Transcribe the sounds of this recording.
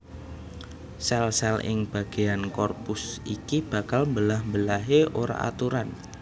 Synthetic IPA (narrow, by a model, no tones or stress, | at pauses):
sɛlsɛlɪ̰ŋb̥a̤ɡ̥e̤jankɔrpʊsʔikib̥a̤kalmbəlahmbəlaɦeʔoɾa̰a̰t̪uɾan